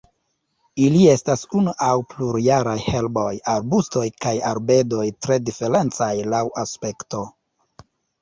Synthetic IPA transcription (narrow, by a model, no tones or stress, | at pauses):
ilie̞stasunuʔawpluɾjaɾajhe̞lbo̞jaɾbusto̞jkajaɾbe̞do̞jtɾe̞dife̞ɾe̞nt͡sajlawʔaspe̞kto̞